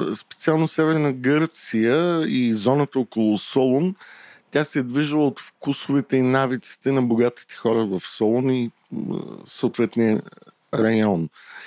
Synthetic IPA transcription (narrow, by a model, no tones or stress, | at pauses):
spɛ̥t̪sialˠnosɛvɛɾnəɡɤɾt̪sijəizɔnət̪əɔkolˠʊsɔlˠont̪ʲasɛd̪viʒəlˠəot̪fkusovɛt̪ɛinavit̪si̥t̪ɛnɐboɡat̪i̥t̪ɛ̥xɔɾəvɐfsɔlˠonḭ | səot̪vɛt̪nijə | ɾɐjɔn